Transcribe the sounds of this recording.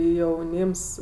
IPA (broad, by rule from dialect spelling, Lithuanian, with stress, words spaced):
jɛʊˈnʲiːms